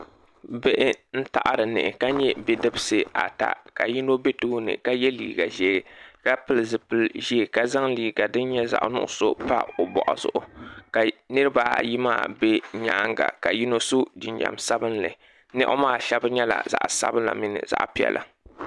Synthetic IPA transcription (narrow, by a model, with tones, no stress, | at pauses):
be˦ʔɪ˦n̩˦ta˨ʔa˨ɾɨ˨nɨ̰˨ɪ˨ka˦ɲɛ˦be˦dɨ˦bɨ˦sɨ˨a˨ta̰˨ka˨ji˦no˦be˦tu˦nɨ̰˨ka˦jɛ˦lḭː˨ɡa˨ʒɛ˦˨ka˦pɨ˨lɨ˨zɨ˨pɨ˨lʒi˦˨ka˦za˦ŋliː˨ɡa˨dɨ˦n˦ɲɛ˦za̰˨ʔnʊ̰˦ʔʊ˦so˦pa̰˦o˨bɔ˨ʔɔ˨zʊ˨ʔʊ˨ka˨nɨ˦ɾɨ˦baː˦˨ji˦maː˦˨be˦ɲaː˦ŋɡa̰˨ka˨ji˦no˦so˦di˨nd͡ʒa̰˨msa˦bɨ˦nlɨ˨ | nɛ˦ʔʊ̰˦maː˦˨ʃɛ˦bɨ˦ɲɛ˦la̰˨za̰˨ʔsa̰˦bɨ˦nla̰˨mi˦nɨ̰˨za̰˦ʔpi˦ɛ̰˨lʔa̰˨